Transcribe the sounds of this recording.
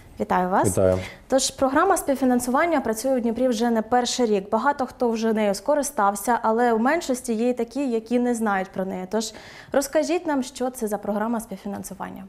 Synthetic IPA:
ʋʲit̪ɑjʊʋɑsʋʲit̪ajʊ̰t̪ɔʒpɾɔɦɾɑmɐsʲpʲiwfʲinɐnsʊʋɑnʲːɐpɾɐt͡sʲujɛwdʲnʲipɾʲiwʒɛnɛpɛrʃɪɾʲiɡbɐɦɑt̪ɔxt̪ɔwʒɛnɛjʊskɔɾɪst̪ɑwsʲɐʔɐlˠɛwmɛnʃɔsʲtʲijɛit̪ɐkʲijɐkʲinɛznɑjʊtʲpɾɔnɛjɛt̪ɔʒ | rɔskɐʒʲitʲnɑmʃt͡ʃɔt̪sɛzɐpɾɔɦɾɑmɐspʲiwfʲinɐnsʊʋɑ̰nʲːɐ

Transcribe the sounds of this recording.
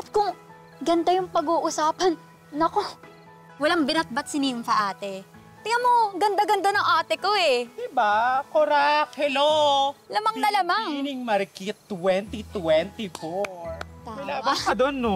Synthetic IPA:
ʔɐt̪̚kʊŋ | ɡɐnd̪ajʊŋpɐɡuːʔʊsaːpɐnː | ɐko | wɐlaŋbɪnɐt̪̚bɐt̪̚sɪnimfɐʔaːt̪ɛ | t̪ɪŋɐmoɡɐnd̪ɐɡɐnd̪anɐŋʔaːt̪ɪkoɛd̪ɪbakoɾakhɛlolɐmɐŋnɐlɐmaŋnɪŋmɐɾkit̪wɛnt̪it̪wɛnt̪ɪfoɹɹt̪aːɐlaːmaɐd̪onːo

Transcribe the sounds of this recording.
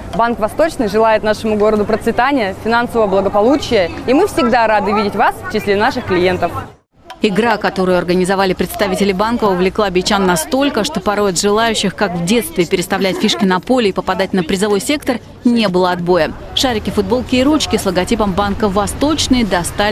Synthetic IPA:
bankvɐst̪o̞t͡ɕnɨjʐɨlˠajɪt̪naʂɨmʊɡo̞ɾəd̪ʊpɾət̪svʲɪt̪anʲɪjəfʲɪnansəvəəblˠəɡəpɐlˠut͡ɕɪjəimɨfsʲɪɡd̪aɾad̪ɨvʲidʲɪtʲvasft͡ɕɪsʲlʲenaʂɨxklʲɪje̞nt̪əf | ɪɡɾakɐt̪o̞ɾʊjʊɐrɡənʲɪzɐvalʲɪpɾʲɪt̪st̪ɐvʲitʲɪlʲɪbankəʊvlʲɪklˠabʲɪt͡ɕanːɐst̪o̞lʲkəʂt̪o̞pɐɾo̞jɐt̪ʐɨlˠajʉɕːɪxkakvdʲe̞t̪st̪vʲɪːpʲɪɾʲɪst̪ɐvlʲætʲfʲiʂkʲɪnɐpo̞lʲɪːpəpɐd̪atʲnəpɾʲɪzɨvo̞jsʲe̞kt̪ər | nʲe̞bɨlˠəɐd̪bo̞jəʂaɾʲɪkʲɪfʊd̪̚bo̞lˠkʲɪjɾut͡ɕkʲɪslˠəɡɐtʲipəmbankəvɐst̪o̞t͡ɕnɨjd̪ɐst̪a

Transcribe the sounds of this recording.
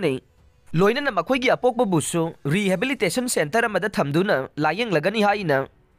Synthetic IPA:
ni | lojnɐnɐmɐkʰojɡiɐpok̚pɐbusuɾihebilitesɐnsentɐɾɐmɐd̪ɐt̪ʰɐmd̪unɐlajeŋlɐɡɐniɦajnɐ

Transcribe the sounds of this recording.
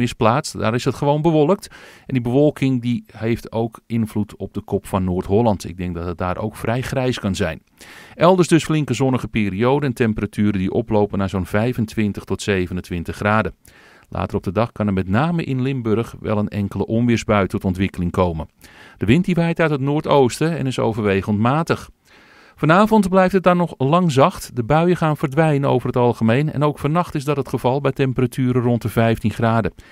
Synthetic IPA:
ɪsplaːt͡sda̰ːɾɪsɦətχəʋoːnbəʋɔlˠək̚tɛndibəʋɔlˠkʰɪŋdihejftowkɪnvlutʰɔb̚dəkʰɔpfɑnːoːrtɦɔlˠɑntɪ̰ɡ̚dɛŋk̚dɑt̚ɦət̚daːɾʔo̰wkfrɛjχrɛjskɑnzɛ̰jn | ʔɛlˠdərsdɵsflɪŋkəzɔnəɣəpeːɾiowdəntɛmpəratʰyːɾəndiʔɔ̰plowpənaːzonvɛjvəntʋɪntəxtɔtsejvənəntʋɪntəχraːdə | lʔa̰ːtərɔb̚dədɑχkɑnəmɛtnaːməʔɪnlɪmbɵrəχʋɛ̰lˠənɛ̰ŋkələʔɔmʋɪɹzbœɥtɔtɔntʋɪkəlɪŋkowmənd̥əʋɪntdiʋɛjtœɥtətnoːrtowstəɛ̰nɪso̰wvərʋejχəlntmaːtəχ | fɑnaːvɔntblɛjftət̚dɑnɔχlɑŋzɑχtdəbœɥəχaːnv̥ərdʋɛjnəno̰wvərɦətɑlˠχəmejnɛ̰nowkfɑnɑχtɪzdɑtɦətχəv̥ɑlˠbɛjtɛmpəratʰyːɾərɔntəvɛjftinχraːdə

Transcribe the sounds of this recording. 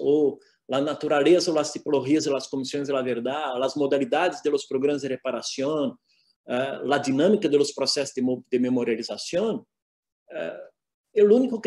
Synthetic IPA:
o | lɐnat̪uɾalezɐolɐst̪ipoloʒiɐzelɐskõmisjõj̃zd̪elɐveɾd̪alɐzmod̪alid̪ad̪ɪzd̪elospɾoɡɾɐ̃mɐzd̪ɪrepaɾasjõn | ɛlɐd̪inɐ̃mikɐd̪elospɾosɛsʊ̥d̪d̪ememoɾjalizasjõn | ɛ | ɛlũnikʊk

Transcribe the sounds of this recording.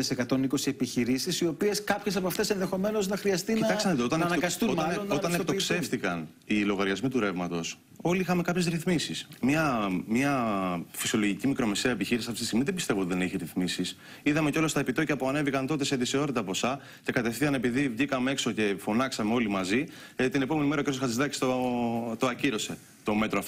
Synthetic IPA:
esekɐt̪o̞niko̞siepiçiɾisisiopie̞skɐpçesɐpɐft̪e̞senðe̞xo̞me̞no̞znɐxɾiɐst̪iniɐt̪ɐsɐnt̪oot̪ɐneɐɡɐst̪uoɐot̪ɐnekt̪okse̞ft̪ikɐn | ilo̞ɣɐɾʝɐzmit̪uɾe̞vmɐt̪o̞s | o̞liixɐme̞kɐpçe̞zɾiθmisismɲɐmɲɐfi̥sio̞lo̞ʝicimikɾo̞me̞seɐepiçiɾisɐft̪it̪ist̪ɣmiðebist̪e̞vot̪iðe̞neçiɾiθmisis | iðɐme̞ceo̞lɐst̪ɐepit̪o̞ʝɐpoɐnevikɐnt̪o̞t̪e̞seðiseo̞ɾit̪ɐpo̞sɐ | ce̞kɐt̪e̞fθiɐne̞piðivʝikɐmee̞kso̞ce̞fo̞nɐksɐmeo̞limɐzi | t̪inepo̞menimeɾɐoceɾosxɐt̪izðɐci̥st̪ot̪oɐciɾo̞se̞ | t̪o̞me̞t̪ɾoɐft̪o

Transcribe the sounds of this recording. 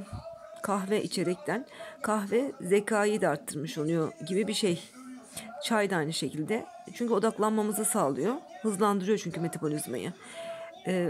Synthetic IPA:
kʰaxvɛʔḭt͡ʃʰe̞ɾɛc̚t̪ʰænkʰaxvɛze̞cʰaːjid̪ɛaɾt̪ʰːɯɾmɯʃo̞lˠujo̞ɟibibiʃej | t͡ʃʰajd̪ɯajnɯʃe̞cʰilʲd̪ɛ | t͡ʃʰyɲcyo̞d̪aklˠanmamɯzasaːlˠɯjo̞hɯzlˠand̪ɯɾɯjo̞t͡ʃʰyɲcʰyme̞t̪ʰabolʲizma̰jɯ̰

